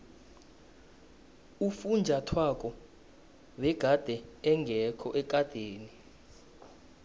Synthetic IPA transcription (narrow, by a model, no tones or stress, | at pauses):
ufund͡ʒʱatʰwak̬ʼɔ | wɛɡ̥ʱad̥ʱɛɛŋɡʱɛkʰɔʔɛk̬ʼad̥ʱeːni